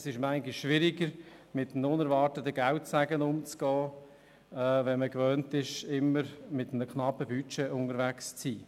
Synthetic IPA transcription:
sɪʃmæɪŋɡɪʃːʋɪɾɪɡəɾmɪtn̩ʊnɛɾvɑːɾtətəɡ̥æʊtsæɡənʊmt͡skɔː | ɛːvɛnməkvœːntɪʃɪmːəɾmɪtəmnəkʰχnɑpəbyt͡ʃɛʔʊnəɾvækst͡siː

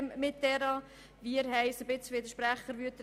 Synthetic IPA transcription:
mmɪt̪̚dɛɾɑ | ʋiəɾhɛɪsəbɪt͡sʋɪd̪əʃpɾæχːəɾʋyət̪ɾ

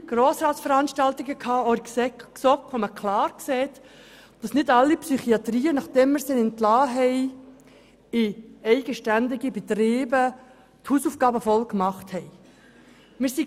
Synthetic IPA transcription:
ɡ̥roːsɾɑːtsfəɾɑnʃtɑltɪɡəkʰɑːɔɾkssɔkoməkʰlɑːɾkseːt | d̥ɑsnɪdɑlːipsyχiɑt̪ɾiːənɑχd̥ɛmːɪɾsɛnɪntlɑːɦɛɪ | ɪɛɪɡəʃtændɪɡibɛt̪ɾiːbə | thuːsuːfɡ̥ɑːbəfɔlkmɑχthɛɪ | mɪːɾsi

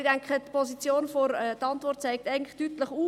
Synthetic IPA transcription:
d̥æŋkχətpʰɔsit͡sjoːnfɔɾɛtɑntʋɔrt̚t͡sɛɪk̚tæɪɡn̩tlɪχtytləχuː

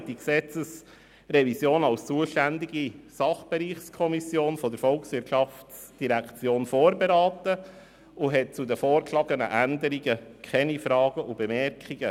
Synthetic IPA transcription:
d̥iksɛt͡səs | rɛvisjoːnɑlst͡suəʃtænd̪iɡisɑχb̥eɾiːχskʰɔmisjoːnfɔdəɾfɔlksʋɪtʃɑft͡s | d̥iɾækt͡sjoːnfoːɾbeɾɑːt̪ə | ʊɦɛt̚t͡sudəfoːɾklɑːɡənə̰ʔænd̪əɾiɡəkʰχɛnifɾɑːɡ̥əʔʊbɛmɛɾkʰiɡ̥ə

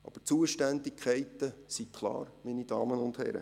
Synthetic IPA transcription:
ʔɑ̰b̥ət͡suəʃtændikʰɛɪt̪əsikʰlˠɑ̰ːɾminid̥ɑːmənʊnd̥hɛ̰ɾə̰

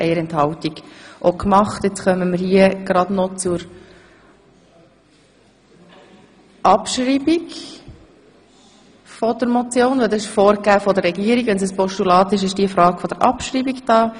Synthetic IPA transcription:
ʔɛɪəɾɛnthɑltiɡʔokmɑχtjet͡sχœməməɾhiəɡ̥ɾɑd̥nɔt͡suɾ | ʔɑpʃɾiːbiɡ | fɔd̥̪əɾmɔt͡sjoːnʋɛldɑsɪʃfoːɾɡæːfɔd̪əɾɛɡiəɾiɡʋɛnsəspɔʃtulɑːt̪ɪʃɪʃd̥iəfɾɑːɡ̥fɔd̥̪əɾʔɑ̰pʃɾiːbiɡd̥ɑː

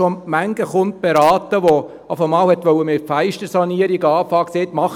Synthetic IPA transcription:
omæŋɡ̥əχʊnt̚b̥eɾɑːt̪əʋo | ɑfəmɑːlhɛt̪ʋœwəmɪfæɪʃtəɾsɑniəɾiɡɑːfɑːkseːt̪mɑχ

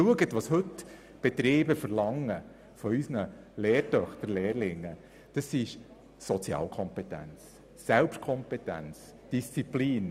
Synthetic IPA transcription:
uəɡət̪ʋɑshɵt | b̥ɛt̪ɾeːbəfəɾlɑŋːə | fɔysnəleːɾtœχt̪əɾleːɾlɪŋːə | d̥ɑsɪʃ | sɔt͡sjɑ̰ːlkʰɔmpɛt̪æ̰nt͡s | sælpʃt̚kʰɔmpɛt̪æ̰nt͡s | d̥ist͡sipliːn

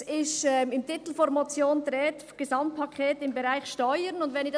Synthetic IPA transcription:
ɪʃɛmɪmtɪt̪l̩fɔɾmat͡sjoːnt̪ɾɛːt | ɡ̥əzɑmt̚pʰːɑkʰɛːtɪmbəɾaɪçʃtɔʏəɾnʊndʋɛnɪd

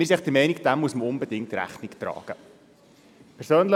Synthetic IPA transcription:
mɪsiɛχd̥əmɛɪnikd̥æmːuəsməʊnbədɪŋk̚tɾæ̰χniktɾɑ̰ːɡ̥ə | pʰɛɾsøːnlə

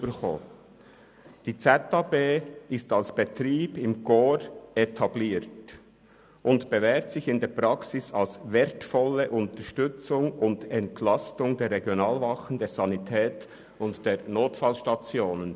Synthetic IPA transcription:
bəxo̰ː | d̥iːt͡sɛtɑbeːɪstɑlsb̥etɾiːb̥ɪmɡ̥oːɾetʰɑbliːɾt | ʊntb̥evɛːtsɪçɪndeːpɾɑksɪsɑlsvɛɾtfɔləʔʊntəʃtʏt͡sʊŋʊndɛntʰlɑstʊŋdeːɾʁːeɡjonɑːlvɑχən̩deːɾz̥ɑnitʰɛːt | ʊntd̥eːɾnoːtfɑlʃtɑt͡sjoːnən

